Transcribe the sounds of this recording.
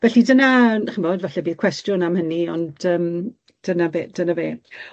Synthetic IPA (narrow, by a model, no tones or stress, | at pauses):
vɛɬidənaχəmɔdvaɬɛbiːð̥kʰwɛstrjʊnamhəniɔndəːm | d̥ənabeːd̥ənaveː